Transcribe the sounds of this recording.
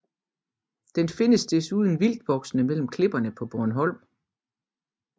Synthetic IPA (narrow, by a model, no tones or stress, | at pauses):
d̥enfe̝nəsd̥e̝suð̞ˠən̩ʋil̰d̥ʋɒ̽ɡ̥snəmel̰m̩kʰle̝b̥ɐnəpʰɒ̽b̥ɔɐnɦɒ̽l̰m